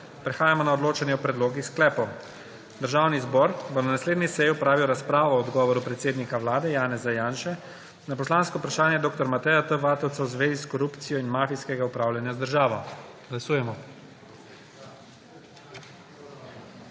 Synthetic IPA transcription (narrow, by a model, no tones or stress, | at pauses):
pɾɛxaːjamɔnaɔd̪loːt͡ʃɛniɔpɾɛd̪loːɡixsklɛːpɔw | d̪əɾʒaːwnizbɔːɾbɔnanasleːd̪nisɛjiɔpɾaːʋiwɾaspɾaːʋɔɔd̪ɡɔːʋɔɾupɾɛt̪seːd̪nikawlaːd̪ɛjaːnɛzajaːnʃɛ | napɔslaːnskɔupɾaʃaːnjɛd̪oːkt̪ɔɾmat̪ɛjat̪əʋaːt̪ɔwt̪sawzʋeːziskɔɾupt̪sijɔinmaːfiskɛɡaupɾaːwlʲjanjazd̪əɾʒaːʋɔ | ɡ̥lasuːjɛmɔ